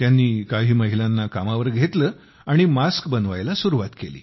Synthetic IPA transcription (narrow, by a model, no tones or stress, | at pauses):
t̪janːiːkaɦiːməɦilanːakamaʋəɾɡʱet̪ləː | aɽ̃imaskbənʋa̰jlasuɾuʋat̪kelḭː